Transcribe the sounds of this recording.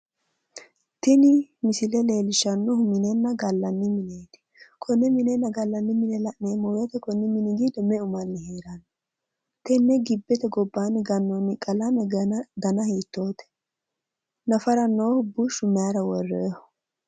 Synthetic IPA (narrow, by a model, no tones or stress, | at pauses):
t̪ɪnɪmɪsɪlɛle̞ːlɪʃɐnːɔhʊmɪnenːɐɡɐlːɐnːɪmɪneːt̪ɪ̥kʰɔnːɛmɪnɛnːɐɡɐlːɐnːɪmɪnɛlɐʔneːmɔjɛt̪ɛkɔnːɪmɪnɪɡiːd̪ɔmɛʊmɐnːɪheːɾɐn | t̪ɛnːɛɡɪbːɛt̪ɛɡɔbːaːnɪɡɐnːonɪkʼɐlɐmɛd̪ɐnɐhiːt̪ːoːt̪ɛ̥ | nɐfɐɾɐnːoːhʊbʊʃʊmɛjaɾɐwɔrːɛ̰̥